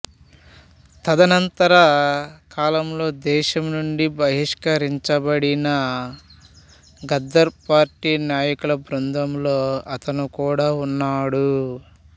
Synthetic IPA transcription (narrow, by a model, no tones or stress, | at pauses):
t̪ʰɐd̪ɐnɐnt̪ɐɾɐkaːlɐmlo̞ːd̪ɛːʃɐmnuɳɖibɐɦiʂkɐɾiɲt͡ʃɐbɐɽinɐ | ɡɐd̪ːɐɾpaːɾʈiːnaːjɐkulɐbɾund̪ʱɐmlo̞ːɐt̪ɐnukuːɽaːunːaːɽu